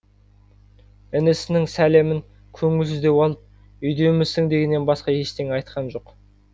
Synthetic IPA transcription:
ɪnɪsɪnɪŋsæle̞mɪŋ | kʲʰɵŋɪlsɪzd̪e̞wɑlˠəp̚ | ʏjd̪e̞mɪzsɪŋd̪e̞ɡʲe̞nːebɑsqɑjeʃt̪ʰe̞ŋɑjt̪qɑnʒo̞q

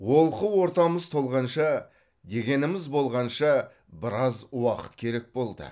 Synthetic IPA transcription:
wo̞lˠqəwo̞ɾt̪ɑməzt̪ʰo̞lˠʁɑnʃɑ | d̪e̞ɡʲe̞nɪmɪzbo̞lˠʁɑnʃɑ | bɪɾɑzwɑqə̥t̪kʲʰe̞ɾe̞k̚bo̞lˠd̪ə̰

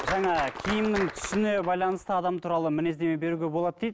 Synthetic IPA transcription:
ʒɑɴɑkʲʰijɪmnɪŋt̪ʰʏ̥sɪnebɑjlˠɑnəst̪əɑd̪ɑmt̪ʰuɾɑlˠəmɪne̞zd̪e̞mebe̞ɾuɡʲe̞bo̞lˠɑt̪̚d̪ejd̪

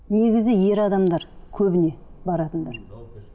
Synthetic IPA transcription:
ne̞ɡʲɪzɪje̞ɾɑd̪ɑmd̪ɑɾkʲʰɵbɪne̞bɑɾɑt̪ənd̪ɑɾ

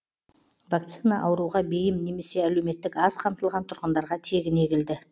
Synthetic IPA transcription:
vak̚t̪sinaʔɑwɾuʁɑbe̞jɪmne̞me̞se̞æle̞wme̞t̪ːɪkɑz̥qʰɑmt̪əlˠʁɑnt̪ʰʊɾʁənd̪ɑɾʁɑt̪ʰe̞ɡʲɪne̞ɡʲɪld̪ɪ

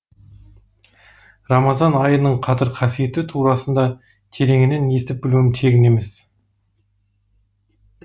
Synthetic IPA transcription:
rɑmɑzɑnɑjənəɴqʰɑt̪əɾqʰɑsije̞t̪ɪt̪ʰuɾɑsənd̪ɑ | t̪ʰe̞ɾe̞ŋɪne̞ne̞st̪ɪp̚bɪluwɪmt̪ʰe̞ɡʲɪne̞me̞s

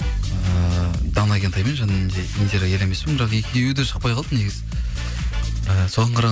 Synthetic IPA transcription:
əd̪ɑnɑɡʲent̪ʰɑjmenʒɑnːnd̪eʔint̪eɾaje̞le̞me̞spɪmbɪɾɑqe̞kʲʰɪejed̪eʃəq̚pɑjqʰɑlˠd̪əne̞ɡʲɪzɪ | əso̞ʁɑɴqʰɑɾɑ

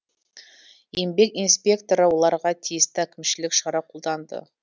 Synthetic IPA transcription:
je̞mbe̞kinspʲe̞kt̪o̞ɾɑwolˠɑɾʁɑt̪ʰijɪst̪ɪækʲɪmʃɪlɪkʃɑɾɑqʰo̞lˠd̪ɑnd̪ə̰

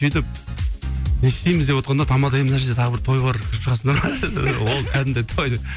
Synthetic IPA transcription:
sijt̪ɪp̚ | nesɪ̥t̪e̞jmɪzd̪e̞pwot̪qɑnd̪ɑt̪ʰɑmɑd̪ɑjemɪnæɾʃed̪et̪ʰɑʁəbɪɾt̪ʰo̞jbɑɾɪʃəʁɑs̬ənd̪ɑɾɑwo̞lˠk̪ʲʰæd̪ɪnd̪et̪ʰojd̪ep

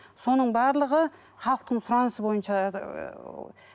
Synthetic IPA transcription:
so̞nəɴbɑɾlˠəʁə | χɑlˠəq̚t̪əɴsʊɾɑnəsəbo̞jənʃɑ

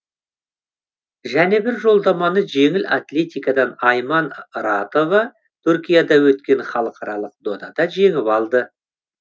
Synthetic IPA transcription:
ʒæne̞bɪɾʒo̞lˠd̪ɑmɑnəʒe̞ŋɪlʔa̰t̪lʲe̞t̪ijkɑd̪ɑnɑjmɑnɾɑt̪o̞vɑ | t̪ʰʊɾkʲijad̪ɑwɵt̪kʲe̞nχɑlˠəqʰɑɾɑlˠəq̚d̪o̞d̪ɑd̪ɑʒe̞ŋɪpɑlˠd̪ə

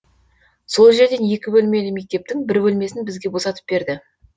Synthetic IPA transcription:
so̞lˠʒe̞ɾd̪e̞nje̞kʲɪbɵlme̞lɪme̞k̚t̪e̞p̚t̪ɪŋbɪɾbɵlme̞sɪnbɪzɡʲe̞bo̞sɑt̪ə̥p̚be̞ɾd̪ɪ

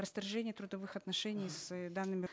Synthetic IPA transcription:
ɾəst̪ɐrʐɛnʲɪjət̪ɾʊd̪ɐvɨxɐt̪nɐʂɛnʲɪjsd̪anːɨmʲɪ

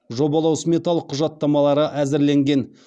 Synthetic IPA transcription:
ʒo̞bɑlˠɑwsmʲe̞t̪ɑlˠəqʰːʊʒɑt̪ːɑmɑlˠɑɾəʔæzɪɾle̞ŋɡʲe̞n

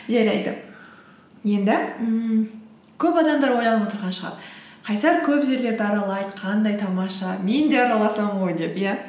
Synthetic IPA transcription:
ʒæɾɑjd̪ə̰ | je̞nd̪ɪ | kʲʰɵpɑd̪ɑmd̪ɑɾwo̞jlˠɑnəpwo̞t̪əɾʁɑnʃəʁɑ̰ɾ | qʰɑjsɑɾkʲʰɵpʒe̞ɾle̞ɾd̪ɪɑɾɑlˠɑjd̪əqʰɑnd̪ɑjt̪ʰɑmɑʃɑme̞nd̪e̞ɑɾnɑlˠɑsɑmʁojd̪e̞pjæ

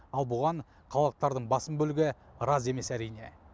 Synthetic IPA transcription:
ɑlˠbʊʁɑɴ | qʰɑwˠəq̚t̪ɑɾd̪əɴbɑsəmbɵlɪɡʲɪ | ɾɑze̞me̞sæɾijne̞

